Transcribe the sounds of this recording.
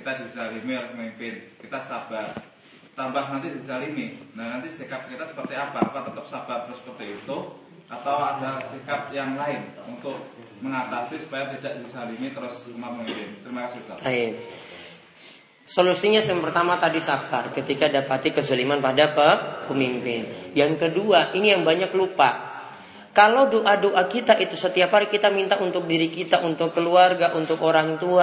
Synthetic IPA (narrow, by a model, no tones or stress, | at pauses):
kit̪adisalimialapəmimpɪnkit̪asab̥ar | t̪abaɦnant̪idisalininanant̪isikap̚kit̪asə̥pərt̪iabaapat̪ət̪əp̚sabart̪əɾʊsəpərt̪iit̪u | ʔat̪awadasikap̚jaŋlaɪnunt̪ʊk̚ | məŋat̪asisu̥pajat̪idaʔd̥isalimit̪əɾʊsumapəmimpɪnt̪əɾimakasɪiusat̪aɪp̚ | solusiɲasŋpərt̪amat̪adisaf̚t̪arkət̪ikadapat̪ikəsəlimanpadapəpəmimpɪnjaŋkəduaʔinijaŋbaɲaklupa̰ | kalodoʔadoʔakit̪aʔit̪usət̪iaphaɾikit̪amint̪aʔunt̪ʊk̚diɾikit̪aʔunt̪ʊkːəluarɡaʔunt̪ʊkoɾaŋt̪ua